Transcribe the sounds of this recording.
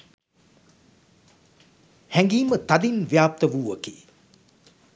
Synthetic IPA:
hɛŋɡiːmət̪ɐd̪inʋijaːp̚t̪ɐʋuːʋɐkḭː

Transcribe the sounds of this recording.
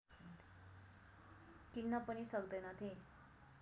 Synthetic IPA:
kinːapəñisəkd̪əjnat̪ʰe

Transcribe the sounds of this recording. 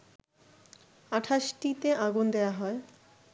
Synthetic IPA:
aʈʰaʃʈit̪eʔaɡund̪eoaɦɔe

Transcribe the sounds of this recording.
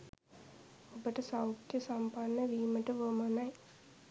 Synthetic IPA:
obəʈəsawt̪jəsampanːəʋiːməʈəʋəmanaj

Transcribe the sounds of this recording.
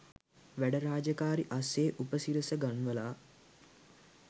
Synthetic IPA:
ʋæɖəɾaːd͡ʒəkaːɾiʔaseːʔupəsiɾəsəɡanʋəlaː

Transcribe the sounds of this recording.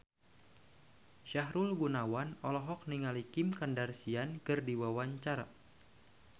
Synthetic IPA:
ʃaɦɾulɡunawanɔlɔɦɔk̚niŋalikɪmkandarsiankɨrdiwawaɲt͡ʃaɾa

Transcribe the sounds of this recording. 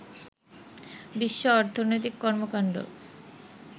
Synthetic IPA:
biʃːoɔɾt̪ʰonojt̪̬ikːɔɾmokaɳɖɾo̰

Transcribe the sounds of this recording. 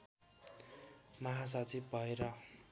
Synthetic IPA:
mʌɦas̬ʌt͡sib̚bʱʌeɾʌ

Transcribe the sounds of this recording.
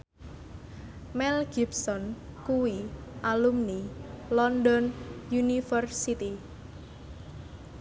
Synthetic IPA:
mɛlɡ̥ibsɔnkuwiʔalumnilɔnd̪ɔnjunifərsit̪i

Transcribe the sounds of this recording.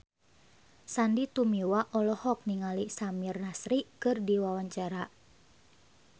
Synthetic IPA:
sandit̪umiwaʔɔlɔhɔk̚niŋalisamirnasɾikɨrdiwawaɲt͡ʃaɾa

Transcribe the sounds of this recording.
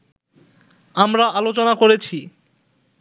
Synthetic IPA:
amɾaʔalot͡ɕonakoɾet͡ɕʰi

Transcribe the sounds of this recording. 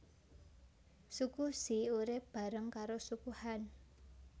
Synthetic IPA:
sukusiuɾɪpb̥a̤ɾəŋkaɾosukuhan

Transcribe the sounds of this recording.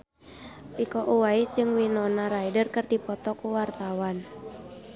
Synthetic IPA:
ʔikɔʔuwaisd͡ʒɨŋwinɔnaɾaidərkɨrdipɔt̪ɔkuwart̪awan

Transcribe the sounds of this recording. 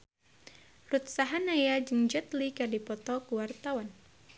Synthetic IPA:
rut̪saɦanajad͡ʒəŋd͡ʒɔt̪likardipɔt̪ɔkuwart̪awan

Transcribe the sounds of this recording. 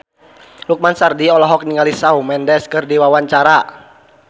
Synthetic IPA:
luk̚mansardiɔlɔɦɔk̚niŋalisaumɛndɛskɨrdiwawaɲt͡ʃaɾa

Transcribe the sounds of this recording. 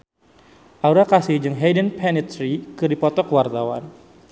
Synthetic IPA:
ʔauɾakasihd͡ʒɨŋɦɛjdənpʰɛnit̪ɾikɨdipɔt̪ɔkwart̪awa̰n

